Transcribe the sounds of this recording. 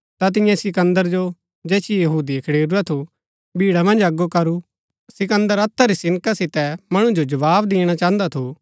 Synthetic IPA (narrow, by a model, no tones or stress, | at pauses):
t̪at̪̬ɪ̃jãsɪkə̃nd̪əɾd͡ʒo | d͡ʒɛːsijɐɦuːd̪iɐkʰɐɽeːɾuɛt̪ʰu | bʱiːɽamɐ̃nd͡ʒɐɡːokɐɾu | sɪkə̃nd̪əɾɐt̪ʰːaɾisɪnkasɪt̪ɛmɐɽ̃ũd͡ʒod͡ʒɐʋaːbd̪eːɽ̃at͡ʃãːə̃nd̪at̪ʰu